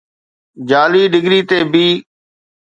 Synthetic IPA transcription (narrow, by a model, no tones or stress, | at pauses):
d͡ʒaːliːɖɪɡɾiːt̪eːbiː